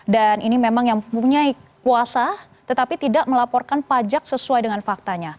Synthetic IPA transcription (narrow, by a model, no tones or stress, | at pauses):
danʔinimemaŋjaŋpuɲaikuasa | t̪ət̪apit̪idaʔməlapɔrkanpad͡ʒak̚səsuajdəŋanfak̚t̪aɲa